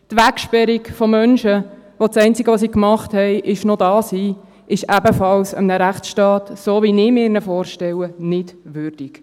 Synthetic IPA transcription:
tʋækʃpɛɾikfomœnʃəʋot͡sɛɪnt͡siɡəʋos̬ikmɑχthɛɪʔɪʃnodɑːshiː | ʔɪʃæbəfɑlsə̰mnəɾæχt͡sʃtɑːtsoːʋinɪːmɪːɾnəfɔːɾʃtɛwənɪd̥ʋʏrd̥ik

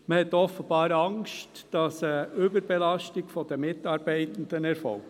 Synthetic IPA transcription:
məhɛt̪ːɔfəb̥ɑːɾɑŋstd̥ɑsəʏbəɾbɛlɑʃtiɡ̥fɔd̥̪əmɪtɑːɾb̥ɛɪtən̩d̪̥ənɛɾfɔ̰l

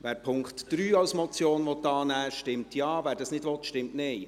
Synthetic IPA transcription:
ʋæːɾpʰʊŋkχtd̥ɾyːɑwsmɔt͡sjoːnʋɔt̪ːɑːnæːʃtɪmtʰjɑːvæːɾdɑsnɪdʋɔt̪ʃtɪmtneɪ

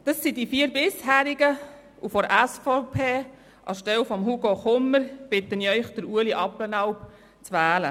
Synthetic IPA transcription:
d̥ɑsːidifiːəɾbɪshæːɾɪɡə | ʔufɔɾʔæsfopʰeː | ʔɑ̰ʃtɛlfɔmɦuɡoχʊmːəɾb̥ɪt̪əniœʏχd̥əɾuəliʔɑplənɑwp | t͡sʋæːlə

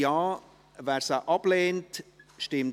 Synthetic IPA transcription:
aː | vɛsəʔɑpleːntʃtɪm

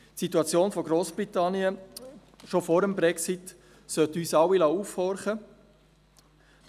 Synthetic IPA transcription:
tsituɑt͡sjoːnfɔɡɾoːsb̥ɾitɑnjə | ʃofoɾəmbɾɛksit | sœtyːsɑwilɑufhɔɾχə

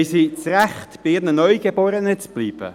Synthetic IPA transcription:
ɪsit͡sræχtb̥ɪɪrnənœʏɡ̥ebɔːɾənət͡sb̥liːb̥ə̰

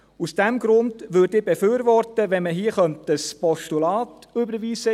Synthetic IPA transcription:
usd̥ɛmɡ̥ɾʊndʋødɪbefyːɾʋɔrtəʋɛnməɦiəχœmtəspɔʃtulɑːtʉbəɾʋiːzə

